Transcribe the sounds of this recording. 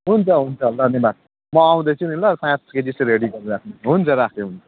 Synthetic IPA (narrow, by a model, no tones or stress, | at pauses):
ɦunt͡sʰʌɦunt͡sʰʌɦlːanebat̪̚ | mʌaw̃d̪ʌt͡sʰunilaɾpʰãssked͡ʒiseɾeɽiɡʌɾuɾakʰnuɦunt͡sʰʌɾakʰneɦunt͡sʰʌ̥